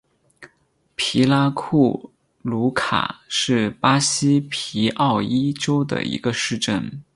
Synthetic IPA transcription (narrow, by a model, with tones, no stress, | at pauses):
pʰi˧˥la˥kʰu˥˩ | lu˧˥kʰa̰˨˩ʂɻ̩˥˩pa˥ɕi˥pʰi˧˥ʔɑ˥˩ʊi˥ʈ͡ʂo˥ʊd̪ə̰˨˩ḭ˧˥ɡə˧ʂɻ̩˥˧ʈ͡ʂə˥˩n